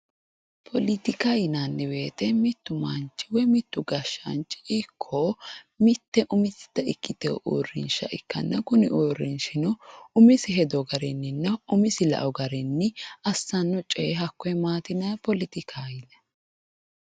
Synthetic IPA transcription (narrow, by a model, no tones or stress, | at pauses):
pʰɔlɪt̪ɪkajɪnɐnːɪbe̞ːt̪ɛmɪt̪ːʊmɐnt͡ʃːɪwɔjmɪt̪ːʊɡɐʃːɐ̰nt͡ʃʼːɪ̥ʔɪkʰːoː | mɪt̪ːɛʔʊmɪsɪ̥t̪ːɐɪkʼːɪt̪ɛʔo̰ːrːɪ̰nʃɐ̰ʔɪ̰kːɐ̰nːɐkʊnɪ̰ʔoːrɪnʃɪnɔʊmɪsɪɦɛd̪ɔɡɐɾɛnːɪnːɐʊmɪsɪlɐ̰ʔɔɡɐɾɛnːɪɐsːɐnːɔt͡ʃʼɛɦɐkːɔɛmaːt̪ɪnɐpɔlɪt̪ɪkʰajɪnɛ